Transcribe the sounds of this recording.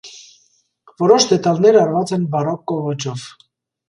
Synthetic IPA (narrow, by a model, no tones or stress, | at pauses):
vɔɾɔʃd̪ɛt̪ɑlnɛɾɑrvɑt͡sɛnbɑrɔkːɔvɔt͡ʃɔv